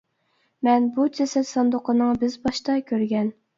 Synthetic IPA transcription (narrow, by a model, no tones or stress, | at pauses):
mɛnbud͡ʒʰɛsɛt̪sɑnd̪ʊqənɨŋbɪzbɑʃt̪ɑkʲʰøɾɡʲɛn